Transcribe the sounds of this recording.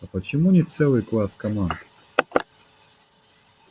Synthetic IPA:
ɐpət͡ɕɪmunʲɪt̪sɛlˠɨjklˠaskɐmand̪ɨ

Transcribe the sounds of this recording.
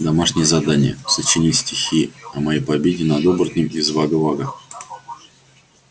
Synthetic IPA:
d̪ɐmaʂnʲɪjəzɐd̪anʲɪ̰jə̰sət͡ɕɪnʲitʲsʲtʲɪxʲiɐmɐjejpɐbʲedʲɪnɐd̪obrət̪ʲnʲɪmɪzvaɡəvaɡə

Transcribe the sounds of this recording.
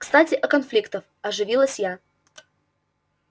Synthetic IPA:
kst̪atʲɪʔɐkɐnflʲikt̪əf | ɐʐɨvʲilˠəsʲja

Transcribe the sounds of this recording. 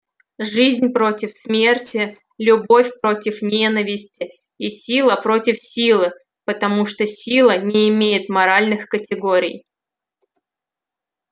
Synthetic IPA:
ʐɨzʲnʲpɾo̞tʲɪfsmʲertʲɪ | lʲʊbo̞fʲpɾo̞tʲɪfnʲe̞nəvʲɪsʲtʲɪ | isʲilˠəpɾo̞tʲɪfsʲilˠɨ | pət̪ɐmuʂt̪osʲilˠənʲɪːmʲejɪt̪mɐɾalʲnɨxkətʲɪɡoɾʲɪ̰j

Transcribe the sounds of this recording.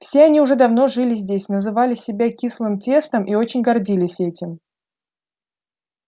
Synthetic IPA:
fsʲeɐnʲiʊʐɛd̪ɐvno̞ʐɨlʲɪzʲdʲesʲnəzɨvalʲɪsʲɪbʲakʲislˠɨmtʲe̞st̪əmʔio̞t͡ɕɪnʲɡɐrdʲilʲɪsʲɛtʲɪm

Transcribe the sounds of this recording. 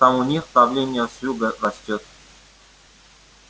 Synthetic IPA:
t̪amʊnʲixpɾɐvlʲenʲɪjəsjʲuɡərɐsʲtʲot̪̚

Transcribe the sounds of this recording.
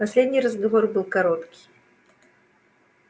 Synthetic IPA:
pasʲlʲed̪ʲnʲiɾɐzɡavɔrbɨlˠkaɾɔt̪kʲi̥

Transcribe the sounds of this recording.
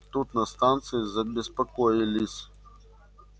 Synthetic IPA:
t̪ut̪nɐst̪ant̪sɨizɐbʲɪspɐkojilʲisʲ

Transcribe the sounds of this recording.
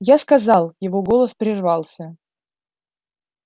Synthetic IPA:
jaskɐzɑlˠjɪvoɡo̞lˠəspɾʲɪrvɑlˠsʲə

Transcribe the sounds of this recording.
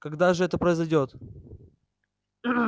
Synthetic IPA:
kɐɡd̪aʐɨɛt̪əpɾəɪzɐjdʲo̞t̪

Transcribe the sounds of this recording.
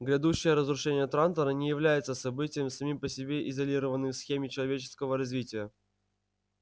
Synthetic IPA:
ɡɾʲɪd̪uɕːɪjəɾəzɾʊʂɛnʲɪjət̪ɾant̪əɾənʲɪjɪvlʲæjɪt̪səsɐbɨtʲɪjəmsɐmʲimpəsʲɪbʲeʔɪzɐlʲiɾəvənːɨjsxʲemʲɪt͡ɕɪlˠɐvʲet͡ɕɪ̥skəvəɾɐzʲvʲitʲɪjə

